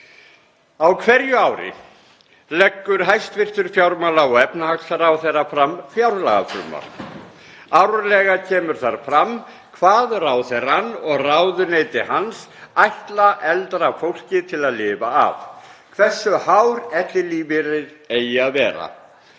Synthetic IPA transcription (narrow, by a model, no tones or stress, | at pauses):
awkʰvɛɾjʏawɾɪ̰ | lɛkːʏɾɦajst̪vɪr̥t̪ʏɾ̥fjawɾmalaɔɣɛpnahaksaɾawθerːafɾamfjawɾla̰ɣa̰fɾʏ̰ːma̰l̥ | awɾlɛɣacʰɛːmʏɾ̥θaɾ̥fɾam | kʰvaːðraːwθɛranːɔɣrawðʏneːjt̪ɪhansajht̪laʔɛlt̪ɾafowl̥cɪt̪ʰɪlaðlɪːva̰ːvkʰvɛ̥sːʏhawɾɛht̪lɪliːvɪɾɪðeːjaðvɛːɾa̰